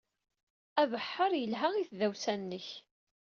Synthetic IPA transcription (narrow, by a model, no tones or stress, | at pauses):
ævəħːəɾˤjəlɦæiθðæwsænːəç